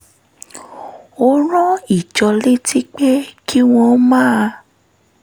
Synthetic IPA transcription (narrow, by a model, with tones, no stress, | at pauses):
o˧ɾ̃ɔ̃˦i˦˨d͡ʒɔ˧le˦tʰi˦k͡pɛ˦kʰi˦w̃ɔ̃˧˦mãː˦˨a˧